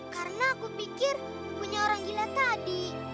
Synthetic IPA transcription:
karənaːkupikir | puɲaoɾaŋɡilat̪adi

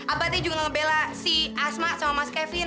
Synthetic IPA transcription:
ʔabat̪id͡ʒuŋaŋəbelasiʔasmasɔamaskɛfli

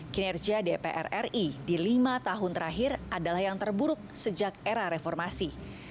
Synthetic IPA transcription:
kinɛrd͡ʒiadepḛʔɛ̰rɛridilimat̪aɦʊnt̪əɾaɦɪradalahjaŋt̪ərbuɾʊk̚səd͡ʒak̚eɾaɾefɔrmasi

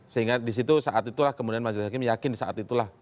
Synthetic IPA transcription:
səɦiŋɡadis̬it̪usaʔat̪it̪ulahkəmudianmad͡ʒdɪhakɪmjakɪndisaʔa̰t̪it̪ulah

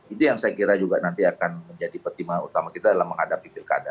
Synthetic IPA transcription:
it̪ujaŋsajakiɾad͡ʒuɡanant̪iakanməɲd͡ʒadipərt̪imaṵt̪amakit̪adalamːəŋɦadapipɪrka̰da

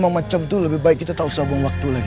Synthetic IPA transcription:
maŋmat͡ʃamt̪uləbɪhbaɪkːit̪at̪ausabʊŋwak̚t̪ulaɡi

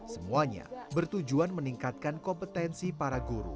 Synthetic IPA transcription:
səmuaɲa̰bərt̪ud͡ʒuanməniŋkat̪̚kankɔmpət̪ɛnsipaɾaɡuɾṵ

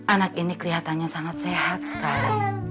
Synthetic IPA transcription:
ʔanak̚inikəliɦat̪anɲasaŋat̪̚sehat̪̚sə̥kaɾa

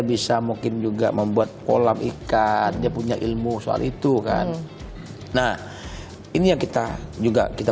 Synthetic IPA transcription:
bisamuŋkɪnd͡ʒuɡa̰məmbuat̪̚po̰lamʔikandiapuɲaʔilmusoa̰lit̪uka̰n | nah | inijaŋkit̪ad͡ʒuɡa̰kit̪a

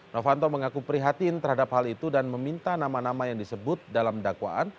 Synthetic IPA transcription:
nofant̪oməŋakupəɾiɦat̪int̪ərhadaphalit̪udanməmint̪anamanamajaŋdisəbʊt̪̚dalamdakwa̰ʔan

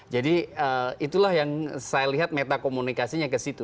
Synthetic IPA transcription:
d͡ʒadiəit̪ulahjaŋsajaliɦat̪̚met̪akomunikasiɲakəsit̪u

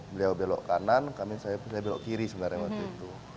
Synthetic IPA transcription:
bəliawbelɔ̰ʔkanankamisajapsajabelɔ̰ʔkiɾisəbənarjaŋwak̚t̪uit̪u

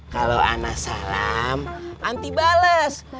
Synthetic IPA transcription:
kaloa̰nasalamʔant̪ibaləs

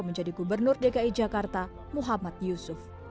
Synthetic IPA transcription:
məɲd͡ʒadiɡubərnʊrdekaid͡ʒakart̪a | muɦamat̪̚jusʊf

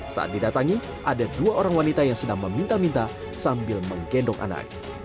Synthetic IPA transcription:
sa̰ʔa̰t̪̚didat̪aŋi | ʔadaduaʔoɾaŋwanit̪ajaŋsədaŋməmint̪amint̪a | sambɪlməŋɡɛndɔŋʔa̰na̰k̚

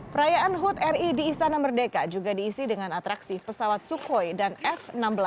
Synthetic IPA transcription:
pəɾajaʔanɦut̪ɛridiːst̪anamərdekad͡ʒuɡadiːsidəŋanat̪ɾaksipəsawat̪̚sukɔjdanɛfənambəla

